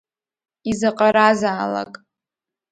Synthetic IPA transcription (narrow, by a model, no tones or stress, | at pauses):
izaqʼaɾazaːla̰kʼ